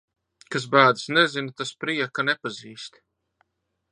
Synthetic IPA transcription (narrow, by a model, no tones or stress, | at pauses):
kas̬baːd̪ɨsnɛzinat̪aspɾiɛkanɛpaziːst̪